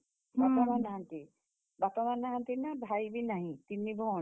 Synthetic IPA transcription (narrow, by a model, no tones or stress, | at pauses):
bat̪ɔnanaɦãnt̪i | bat̪ɔnanaɦãnt̪inabʱajbʱinaɦĩt̪inːibʱɔ